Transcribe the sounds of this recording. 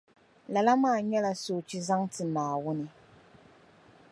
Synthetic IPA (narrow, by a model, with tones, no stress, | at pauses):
la˨la˦maː˦˨ɲɛ˦la˨soː˨t͡ʃi˦za˦ŋtɨ˨naː˨wʊ˦nɨ˨